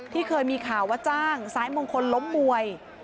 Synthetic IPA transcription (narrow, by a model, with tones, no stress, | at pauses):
t̪ʰiː˥˩kʰɤː˧jmiː˧kʰaː˨˩wːaː˧˥˩t͡ɕaː˥˩ŋsaː˩˦jmoː˧ŋkʰo˧nlo˦˥mːu˧əj